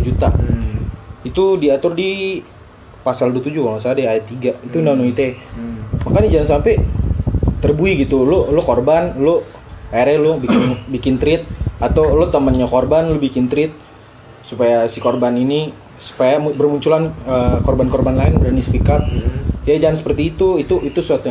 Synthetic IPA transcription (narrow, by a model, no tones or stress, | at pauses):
ud͡ʒut̪a | it̪udiat̪ʊrdi | pasalduət̪ud͡ʒukaŋasaːdaajat̪ːiɡait̪uːndanoit̪e | makanid͡ʒaansampɛ | t̪ərbuiɡit̪ulʊlʊkorbanlʊ | aɾɛlʊbikɪnbikɪnt̪ɾɪt̪̚at̪awlʊt̪əmənɲakorbanlobikɪnt̪ɾɪt̪̚ | supajasikorbanini | su̥pajambərmuɲt͡ʃulanəkorbankorbanlaɪnuɾanisə̥pikat̪̚jad͡ʒaŋansə̥pərt̪iːt̪uit̪uʔit̪usuat̪u